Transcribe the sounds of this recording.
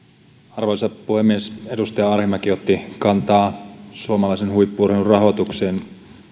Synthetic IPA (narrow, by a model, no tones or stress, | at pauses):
ɑrʋolisɑpuhemːiesedust̪ɑjɑɑrhemɑkiot̪ːikɑnt̪ɑːsuomɑlɑisenhuipːuːrheurrɑɦo̞t̪ukseːn